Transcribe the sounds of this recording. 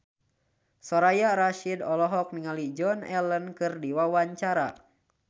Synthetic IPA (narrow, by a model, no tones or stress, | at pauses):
sɔɾajaɾaʃidɔlɔɦɔk̚niŋalid͡ʒɔnɛlənkɨrdiwawaɲt͡ʃaɾa